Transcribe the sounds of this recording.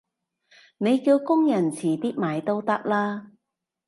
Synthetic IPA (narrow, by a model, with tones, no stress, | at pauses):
ne˨˧jkiː˧wkʊ˥ŋjɐ˨˩nt͡sʰiː˨˩t̪iː˥t̚maː˨˩jt̪o˥wt̪ɐ˥k̚laː˥